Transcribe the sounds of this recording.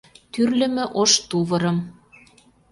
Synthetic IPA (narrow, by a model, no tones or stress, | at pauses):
t̪yrlɘ̆mɘ̆ʔoʃt̪uβɤ̆ɾɤ̆m